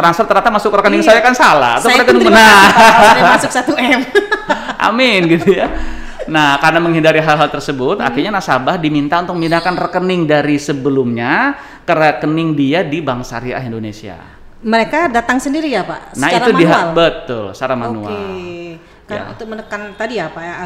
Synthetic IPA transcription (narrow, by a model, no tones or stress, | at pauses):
t̪ɾansfərt̪ərɲat̪amasʊkrəkənɪŋsajakansala̰ha̰t̪awɾek̪aniŋbəna | asʊksat̪uɛm | ʔa̰mɪnɡit̪uja | nahkarənaməŋɦindaɾiɦalɦalt̪ərsəbʊt̪a̰kirɲanasabahdimint̪aunt̪ʊk̚minakanrəkənɪŋdaɾisəbəlʊmɲa | kərəkənɪŋdiadibaŋsa̰ɾia̰ɦindonesia̰ | məɾekadat̪aŋsəndiɾijapa̰ʔnahiɾumdiɦalbət̪ʊ̰lsaɾamanṵa̰l | ka̰t̪ʊmənəkant̪adiapaja